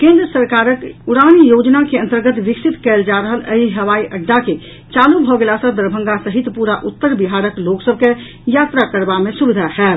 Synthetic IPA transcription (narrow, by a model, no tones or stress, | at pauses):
kẽnd̪ɾəsəɾkaɾəkuɽañijod͡ʒnakeə̃nt̪əɾɡət̪ʋiksit̪kɛld͡ʒaɾəɦələ̰ɦiɦəʋaiʔəɖːake | t͡ʃalubʱɔɡelasəd̪əɾbʱə̃ŋɡasəɦit̪puɾaʔut̪ːəɾbiɦaɾəkloksəb̚ʱke | jat̪ɾakəɾbamesubid̪ʱaɦɛːl